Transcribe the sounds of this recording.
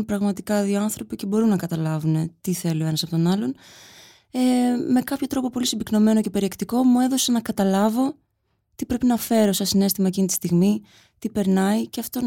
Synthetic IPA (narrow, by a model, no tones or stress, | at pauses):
npɾɐɣmɐt̪ikɐðioɐnθɾo̞pice̞bo̞ɾunːɐkɐt̪ɐlɐvune̞t̪iθe̞lue̞nɐsɐpo̞t̪onɐlo̞n | eme̞kɐpço̞t̪ɾo̞po̞po̞lisibikno̞me̞no̞ce̞pe̞ɾiekt̪iko̞mue̞ðo̞senɐkɐt̪ɐlɐvo̞ | t̪ipɾe̞pinɐfe̞ɾosɐsine̞st̪imɐecinit̪ist̪iɣmi | t̪ipe̞ɾnɐiceɐft̪o